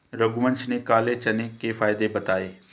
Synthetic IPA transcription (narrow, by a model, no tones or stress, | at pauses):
ɾəɡmə̃nt͡ʃnekaːlet͡ʃɐnekefaːɪd̪ebɐt̪aːeː